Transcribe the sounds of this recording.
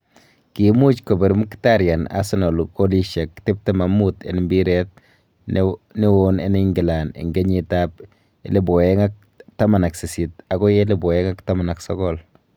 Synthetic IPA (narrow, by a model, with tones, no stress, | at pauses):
ki˨mu˦t͡ʃkɔ˨be˨ɾmu˦ktaɾja˨na̰˦sɪ˦nɔ˨luko˦li˦ʃa˨kte˦p̚te˦ma˨mutḛ˨nmbi˦ɾɛt̚ | ne˦wonḛ˦ne˦ŋɡɪ˨lanḛ˨ŋɡe˦ɲitap | e˦le˦bɔ˨ɛ˦ŋa˦k̚ | ta˦ma˨na˨ksɪ˨sitaɡɔ˦je˦lɪ˦bɔ˨ɛ˦ŋa˦ktama˨na˨ksɔ˦ɡɔl